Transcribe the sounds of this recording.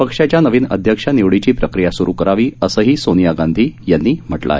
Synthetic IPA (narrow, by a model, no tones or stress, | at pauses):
pəkʂat͡ɕjanəʋiːnə̰d̪ʱjəkʂaniʋɽit͡ɕiːpɾəkɾijasuɾuːkəɾaʋiːəsəːɦiːsonijaɡãnd̪ʱiːjanːiːm̤əʈla̰e